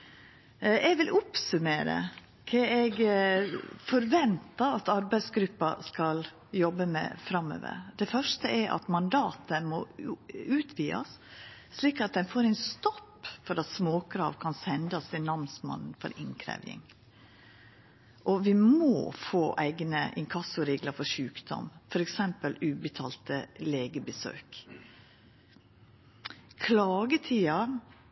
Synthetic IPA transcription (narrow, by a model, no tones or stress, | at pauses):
ʔɛɡʋɪlʔʊpsʉmeːɾə̰ | kʰɛɛɡ | fɔɾʋɛnt̪ɑɑt̪ɑɾbæɪsɡɾʉpːɑ̰skɑl | jɔbːəmɛ̰fɾɑmːø̰ːʋə̰ɾd̪̥ɛfœʂʈəʔɛʔɑ̰t̪mɑnd̪ɑːt̪əmɔ | ʉːt̪ʰʋiːɑ̰sː | liːkɑt̪̚d̪ɛnfoːɾɛɪnst̪ɔpːfɔɾɑt̪smoːkʰɾɑ̰ːʋkʰɑnsɛnd̪ɑst̪ɪnɑʋnsmɑ̰nn̩fɔ̰ɾʔɪŋkʰɾæ̰ʋɪ̰ŋ | ʔɔʋɪmo̰ːfoːʔæɪɡnəʔɪŋkʰɑsʊɾeːɡləfɔʂʉːkd̪ɔ̰mfɔɾɛksɛmpəlʉːbət̪ʰɑːlt̪əleːɡəbəsø̰ːk | kʰlɑːɡət̪ʰiːɑ